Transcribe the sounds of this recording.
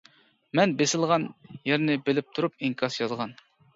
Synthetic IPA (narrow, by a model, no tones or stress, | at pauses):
mɛnbesɪlˠʁɑnjæɾnɪbɪlɪp̚t̪ʰuɾup̚iŋkʰɑsjɑzʁɑn